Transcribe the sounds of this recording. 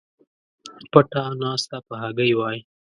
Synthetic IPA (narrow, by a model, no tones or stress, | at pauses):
pəʈanɑst̪apəɦaɡəjwɑj